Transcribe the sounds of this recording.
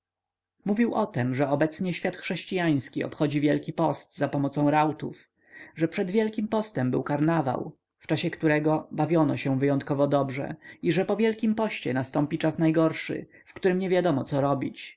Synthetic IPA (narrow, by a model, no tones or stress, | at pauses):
muvʲiwʔɔt̪ɛmʐɛɔbɛt̪sɲɛɕfʲjat̪xʂɛɕt͡ɕijaj̃skʲiɔ̰pxɔd͡ʑivʲjɛlkʲipɔst̪zapɔmɔt̪sɔ̃w̃ɾawt̪ṵf | ʐɛpʂɛd̪vʲjɛlkʲimpɔst̪ɛmbɘ̰wkaɾnava̰w | ft͡ʂaɕɛkt̪uɾɛɡɔbavʲjɔnɔɕɛvɘjɔnt̪̚kɔvɔd̪ɔbʐɛ̰iʐɛpɔvʲjɛlkʲimpɔɕt͡ɕɛ̰nast̪ɔmpʲit͡ʂasnajɡɔɾʂɘ̰ | fkt̪uɾɘmɲɛvʲjad̪ɔmɔt̪sɔɾɔbʲit͡ɕ